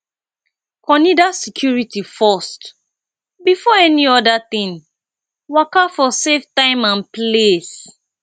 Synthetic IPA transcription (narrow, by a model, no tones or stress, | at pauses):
kɔ̃nidasɛkʰjuɹitifɔst | bifɔɛniɔdat̪ĩn | wakafɔseftãɪ̃mãnples